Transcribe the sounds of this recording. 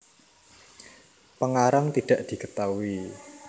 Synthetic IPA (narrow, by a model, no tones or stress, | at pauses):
pəŋaɾaŋt̪iɖ̪̥a̤ʔd̪̥i̤kət̪aui